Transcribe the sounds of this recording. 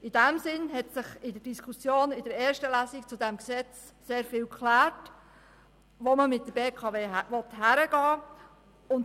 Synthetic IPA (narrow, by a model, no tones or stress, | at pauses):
ɪd̥æmsɪnɦɛtsɪχɪdəɾd̥iskʰusjoːnɪdəɾɛːɾʃtəlæsikt͡sudɛmksɛt͡s | seːɾfɪːlkʰχlæːɹt | ʋoməmɪt̚dəbeːkʰɑveːʋɔthæɾəɡɑː | ʊnt